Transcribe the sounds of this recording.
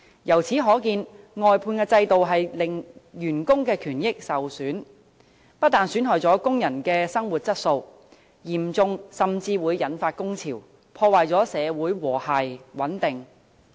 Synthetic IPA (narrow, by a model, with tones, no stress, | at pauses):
jɐ˨˩wt͡sʰiː˨˥ɦɔː˨˥kiː˧n | ŋɔː˨jpʰuː˧nkɛː˧t͡sɐ˧jt̪o˨wɦɐ˨jlɪ˨ŋjyː˨˩nkʊ˥ŋkɛː˧kʰyː˨˩njɪ˥k̚sɐ˨wsyː˨˥n | pɐ˥t̚t̪aː˨˩nsyː˨˥nɦɔː˨˩jt͡sɔː˨˥kʊ˥ŋjɐ˨˩nkɛː˧sɐ˥ŋwuː˨˩t̚t͡sɐ˥t̚so˧w | jiː˨˩mt͡sʊ˧ŋsɐ˨mt͡siː˧wuː˨˧jːɐ˨˥nfaː˧t̚kʊ˥ŋt͡sʰiː˨˩w | pʰɔː˧waː˨jt͡sɔː˨˥sɛː˨˧wuː˨˥jwɔː˨˩haː˨jwɐ˨˥nt̪ɪ˨ŋ